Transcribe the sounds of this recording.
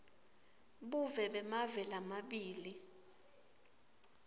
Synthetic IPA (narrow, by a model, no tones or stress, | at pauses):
ɓuvɛɓɛmavɛlamaɓiːli